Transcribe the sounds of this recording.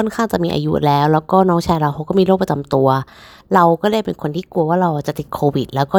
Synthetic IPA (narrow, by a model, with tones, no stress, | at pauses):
ɔː˥˩nkʰaː˥˩ŋt͡ɕa˨˩ʔ̚miː˧ʔa̰ː˧jṵ˦˥lɛː˦˥wlɛː˦˥wkɔː˥˩nɔː˦˥ŋt͡ɕʰaː˧jɾa˧wkʰa˧wkɔː˥˩miː˧ɾoː˥˩pɾa˧t͡ɕa˧mt̪u˧ɐ | ɾa˧wkɔː˥˩daː˥˩jpe˧nkʰo˧nt̪ʰiː˥˩ku˧ɐwaː˥˩ɾa˧wʔaː˨˩t͡ɕa˨˩t̪i˨˩kʰoː˧wi˨˩t̪̚lɛː˦˥wkɔː˥˩